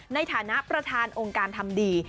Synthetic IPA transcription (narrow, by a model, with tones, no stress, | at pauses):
na˧jt̪ʰaː˩˦na˦˥ʔpɾa˧t̪ʰaː˧nʔoː˧ŋkaː˧nt̪ʰa˧mdiː˧